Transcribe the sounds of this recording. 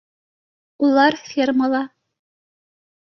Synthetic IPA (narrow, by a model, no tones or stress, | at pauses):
ulˠɑɾfʲierməlˠɑ